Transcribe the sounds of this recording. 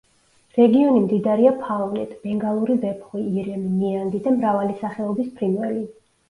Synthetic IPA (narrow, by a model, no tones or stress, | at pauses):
ɾɛɡiɔnimd̪id̪aɾiapʰalnɛt̪ʰʼbɛŋɡalˠuɾivɛpʰχwiːɾɛmimiand̪id̪amɾavalisaχɛɔbispʰɾimɛɾi